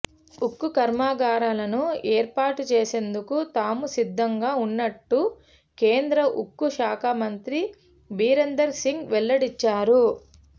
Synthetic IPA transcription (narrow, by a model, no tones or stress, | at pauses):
ukːukɐɾmaːɡaːɾaːlɐnueːɾpaːʈut͡ʃeːse̞nd̪ukut̪aːmusid̪ʱːɐŋɡaːunːɐʈːu | ke̞ːnd̪ɾɐʔukːuʃaːkʰaːmɐnt̪ɾi | biːɾend̪ɐɾsiŋɡʋɛlːɐɽit͡ʃːaːɾu